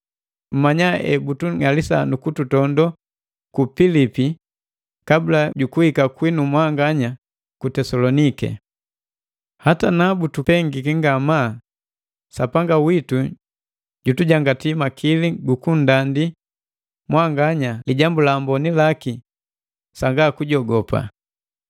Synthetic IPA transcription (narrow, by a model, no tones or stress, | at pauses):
m̩maɲaɛ̰butuŋalisa̰nukututɔndɔ | kupilipi | kabulaɟukuhikakwinumwaŋɡaɲa | kutɛsɔlɔnikɛ̰ | hatanabutuɛŋɡikiŋɡama | sapaŋɡawitu | ɟutuɟaŋɡatimakʰiliɡukundandi | mwaŋɡaɲaliɟambulambɔnilaki | saŋɡaːkuɟɔɡɔpa̰